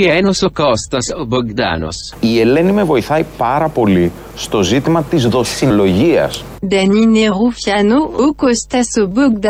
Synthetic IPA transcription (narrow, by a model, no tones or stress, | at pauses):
iɛnosokost̪ɐsoboɡd̪a̰no̰s | ie̞le̞nime̞vo̞iθɐipɐɾɐpo̞li | st̪o̞zit̪imɐt̪izðo̞silo̞ʝiɐ̰s | d̪ɐnineʁufjanookost̪ɐsoboɡ̚d̪